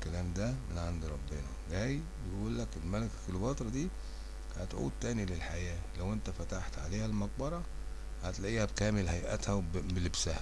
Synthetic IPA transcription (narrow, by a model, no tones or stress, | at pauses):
kælæːmd̪æmenʕand̪ɾˤɑbːenæɡæːjbejʔʔuːlːækelmælekkelbɑːt̪ɾˤɑd̪iː | hæt̪ʕṵːd̪̚t̪ːæːnilelħajæːlæwent̪æfæt̪aħt̪ʕaleːhælmɑq̚bɑɾˤɑ | hæt̪læʔiːhæbkæːmelhæjʔæ̰t̪hæbelebsæhæ